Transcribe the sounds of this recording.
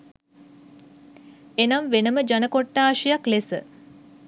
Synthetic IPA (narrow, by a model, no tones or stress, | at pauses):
enamʋenəməd͡ʒanəkoʈːaːʃijaklesə̰